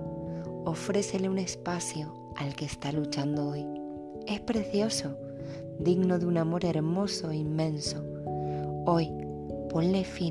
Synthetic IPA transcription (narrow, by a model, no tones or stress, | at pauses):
o̞fɾe̞θe̞leune̞spaθjo | alke̞ːst̪alut͡ʃand̪ooj | e̞spɾe̞θjo̞so̞ | d̪iɡnoðunamo̞ɾe̞ɾmo̞so̞imːẽ̞nso | o̞j | po̞nle̞fi